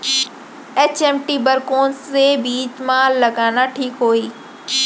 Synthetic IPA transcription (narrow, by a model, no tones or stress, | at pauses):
eːt͡ɕeːmʈibəɾkoːnsebiːd͡ʑmãlɐɡãːnaʈʰiːkɦoːiː